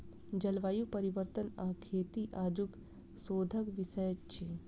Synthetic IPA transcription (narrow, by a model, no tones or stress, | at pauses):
d͡ʒɐlʋaːjupɐɾiʋəɾt̪ənaːkʰeːt̪iʔaːd͡ʒuk | soːd̪ʱəkʋisəjət͡ʃʰi